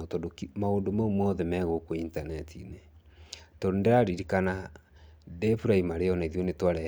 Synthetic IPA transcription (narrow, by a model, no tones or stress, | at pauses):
tɔdokimaondomaumɔðɛmɛɣokointanɛtʰine | tɔndaɾiɾikana | dɛfuɾaimaɾeɔnaiðijonetwaɾɛ